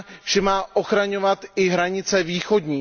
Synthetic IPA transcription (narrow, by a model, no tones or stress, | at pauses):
ʒ̥ɛmaːʔoxɾaɲo̞vat̪ɪɦɾaɲɪt͡sɛviːxo̞dɲiː